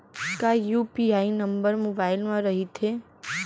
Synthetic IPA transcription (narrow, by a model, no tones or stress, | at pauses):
kajuːpiaːinɐ̃mbəɾmoːbaːɪlmãɾɐɦit̪ʰeː